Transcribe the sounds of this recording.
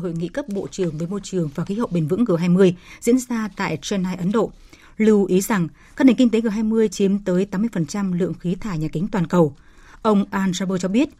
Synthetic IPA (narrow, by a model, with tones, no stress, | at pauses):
ho̰˧˨jŋḭ˧˨kə˦˥p̚ɓo̰˧˨t͡ɕɨ˨˩əŋvəː˨˦jmo˧jt͡ɕɨ˨˩əŋvaː˨˩xi˨˦hə̰˨˧˨wɓe˧˩nvɨ̰˧˥ŋkɨ˨˩ɦaː˧jmɨ˧əjzḭ˧˥ənzaː˧t̪a̰ː˧˨jt͡ɕɛ˧nːaː˧jʔə˨˦nɗo̰˧˨ | lɨ˧wʔi˨˦za˨˩ŋ | kaː˦˥k̚ne˨˩ŋ̟ki˧ŋ̟t̪e˨˦ɣɨ˨˩ɦaː˧jmɨ˧əjt͡ɕi˨˦əmt̪əː˨˦jt̪aː˨˦mːɨ˧əjfə˨˩nt͡ɕa˧mlɨ̰˧˨əŋxi˨˦t̪ʰaː˧˩jɲaː˨˩kï˨˦ŋ̟t̪waː˨˩nkə˨˩w | ʔə˧wŋ͡mʔaː˧nzaː˧ɓəː˧t͡ɕɔ˧ɓi˦˥ət̚